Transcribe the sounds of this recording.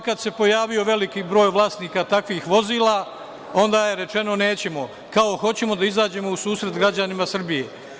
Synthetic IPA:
kad̪se̞po̞jaːʋijo̞ʋe̞likibɾo̞ːjʋlˠaːst̪niːkat̪akʋiːxʋo̞ziːlˠaː | o̞nd̪aːje̞ɾe̞t͡ʃe̞no̞ne̞ːt͡ɕe̞mo̞ | kao̞xo̞t͡ɕe̞mo̞d̪aizaːd͡ʑe̞mo̞usuːsɾe̞t̪ɡɾad͡ʑanimasr̩bije̞

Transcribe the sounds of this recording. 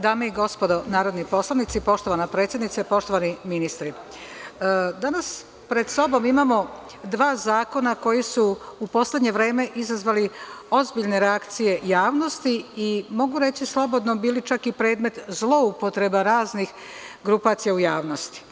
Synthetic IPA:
d̪aːmeiɡo̞spo̞d̪o̞naːɾod̪nipo̞slˠanit̪sipo̞ʃt̪o̞ʋanapɾet̪sjed̪nit̪sepo̞ʃt̪o̞ʋaniminist̪ɾi | d̪anas | pɾe̞d̪so̞bo̞mimamo̞ | d̪ʋaːzaːko̞nako̞jisuupo̞sle̞d̪ɲe̞ʋɾe̞ːme̞ʔizazʋalio̞zbiʎne̞ɾeakt̪sije̞jaːʋno̞st̪iimo̞ɡuɾe̞t͡ɕislˠo̞bo̞d̪nobiːlit͡ʃakipɾe̞ːd̪me̞t̪zlˠo̞upo̞t̪ɾe̞baɾaːznix | ɡɾupat̪sijaujaːʋno̞st̪i̥

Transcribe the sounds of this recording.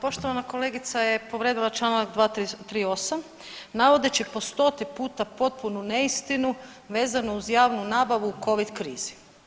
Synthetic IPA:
po̞ʃt̪o̞ʋanako̞leːɡit̪saje̞po̞ʋɾed̪ilˠat͡ʃlˠaːnaɡd̪ʋaːt̪it̪ɾiːo̞sam | naʋo̞d̪et͡ɕipo̞st̪o̞t̪ipuːt̪apo̞t̪̚punune̞ist̪inu | ʋe̞ːzanouzjaːʋnunaːbaʋuːko̞ʋid̪kɾḭːz̥i̥

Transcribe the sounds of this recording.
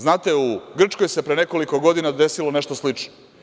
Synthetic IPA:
znaːt̪e̞uɡr̩t͡ʃko̞jse̞pɾene̞ko̞liko̞ɡo̞d̪inad̪e̞siloneʃt̪oslit͡ʃno

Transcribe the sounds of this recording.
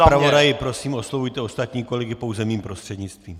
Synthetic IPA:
pɾavodajɪpɾo̞siːmo̞slovujt̪ɛo̞st̪at̪ɲiːko̞lɛɡɪpo̞wzɛmiːmpɾost̪r̥ɛdɲɪt͡st̪viːm

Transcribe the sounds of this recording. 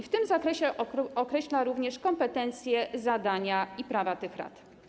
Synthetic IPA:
ift̪ɘmzakɾɛɕɛɔkɾɛɕlaɾuvɲɛʂkɔmpɛt̪ɛnt̪sʲjɛzad̪aɲaipɾavat̪ɘxɾa̰t̪

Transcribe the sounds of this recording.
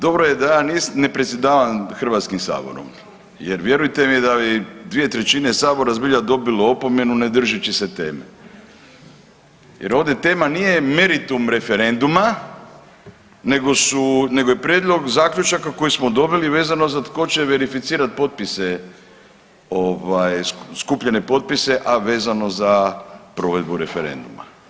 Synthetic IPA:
d̪o̞bɾoje̞d̪ajaːnisnepɾet̪sjed̪aːʋamxr̩ʋat̪skimsa̰ːbo̰ɾo̰m | jḛɾʋje̞ɾujt̪emijed̪aid̪ʋije̞t̪ɾet͡ɕinesaːbo̞ɾazbiʎad̪o̞biloopo̞me̞nuned̪r̩ʒit͡ɕise̞t̪ḛːmḛ | jeɾo̞ʋd̪e̞t̪e̞ːmanije̞me̞ɾit̪umɾe̞feɾe̞nd̪uma | ne̞ɡo̞sune̞ɡojepɾʲjeːd̪lˠo̞ɡzaːkʎut͡ʃakako̞jismo̞d̪o̞biliʋe̞ːzano̞zat̪ko̞t͡ɕe̞ʋe̞ɾifit̪siːɾat̪̚po̞t̪̚pise | o̞ʋajskupʎene̞po̞t̪̚pise̞ʔaʋe̞ːzano̞zapɾo̞ːʋe̞d̪buɾe̞feɾe̞̰nd̪uma̰

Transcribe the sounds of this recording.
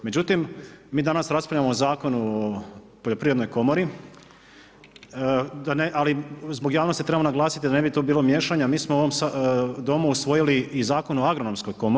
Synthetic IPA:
me̞d͡ʑut̪imːiːd̪anasɾaspaʎamozaːko̞nuo | po̞ʎopɾiʋɾed̪nojko̞moɾi | d̪aneʔalizboɡjaːʋnost̪it̪ɾebamonaɡlˠaːsi̥t̪id̪ane̞bit̪o̞biːlomje̞ːʃaɲamiːsmooʋomsd̪o̞muusʋo̞jiliizaːko̞nuoaɡɾono̞msko̞jko̞mo

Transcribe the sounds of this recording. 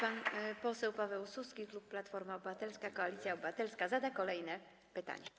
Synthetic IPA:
panpɔsɛwpavɛwsuskʲiklupːlat̪fɔɾmaɔbvat̪ɛlskakɔalʲit̪sʲjaɔbvat̪ɛlskazad̪akɔlɛjnɛ | pɘt̪a̰ɲɛ

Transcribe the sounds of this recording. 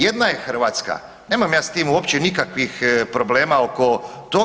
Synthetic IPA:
je̞d̪najexr̩ʋaːt̪ska̰ | ne̞ːmamjaːst̪iːmuopt͡ɕenikakʋixpɾo̞ble̞ːmaoko̞ | t̪o

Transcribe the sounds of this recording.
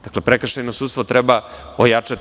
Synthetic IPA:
d̪aklepɾekɾʃajnosud̪st̪vot̪ɾɛbaojat͡ʂat̪

